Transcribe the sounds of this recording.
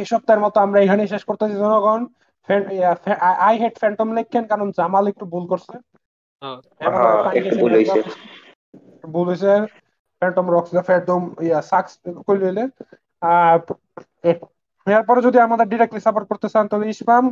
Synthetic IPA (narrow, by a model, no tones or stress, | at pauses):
eʃɔb̚t̪aɾmɔt̪oamɾaejkʰaneʃ̬eʃkoɾt̪esʰad͡ʑɔnoɡɔn | fɛfɛajɦeʈfɛɳʈomlekʰːenkaɾond͡ʑamalek̚ʈubulkoɾsʰe | ɛt̪ãekeubulojae | ubulojsʰe | fɛɳʈomɾɔksilefɛʈɖ̪omsakskojlojle | e | aɾpɔɾed͡ʑod̪iamad̪eɾɖiɾek̚ʈlisafaɾkoɾt̪esʰant̪ɔbeiʃpam